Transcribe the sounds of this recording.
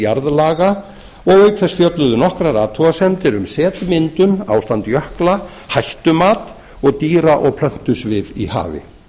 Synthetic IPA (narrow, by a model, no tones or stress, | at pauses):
jaɾðlaːɣa | ɔɣœːɥkθɛsfjœt̪lʏðʏnɔhkɾaɾaːt̪ʰːuasɛmt̪ɪɾʏmsɛːt̪mɪnt̪ʏma̰ːwst̪ant̪jœhkla | hajht̪ʏmaːt̪ | ɔɣt̪iːɾaʔɔɣpʰl̥œht̪ʏsvɪðḭha̰ːvɪ̰